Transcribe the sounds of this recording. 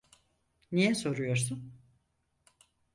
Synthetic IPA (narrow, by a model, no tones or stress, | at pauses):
nijɛso̞ɾujo̞ɾsun